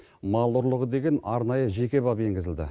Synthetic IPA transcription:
mɑlˠʊɾlˠəʁəd̪e̞ɡʲe̞nɑɾnɑjəʒe̞kʲe̞bɑpe̞ŋɡʲɪzɪld̪ɪ̰

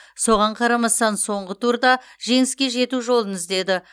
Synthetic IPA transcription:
so̞ʁɑɴqʰɑɾɑmɑst̪ɑnso̞ɴʁət̪uɾd̪ɑʒe̞ŋɪskʲe̞ʒe̞t̪uʒo̞lˠənɪzd̪e̞d̪ɪ

